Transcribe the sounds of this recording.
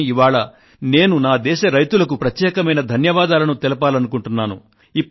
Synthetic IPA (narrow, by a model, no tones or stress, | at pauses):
iʋaːɭɐ | ne̞ːnunaːd̪ɛːʃɐɾɐjt̪ulɐk̬upɾɐt̪jɛːkɐmɐjnɐd̪ʱɐnjɐʋaːd̪aːlɐnut̪ɛlɐpaːlɐnukuɳʈunːaːnṵ | ipː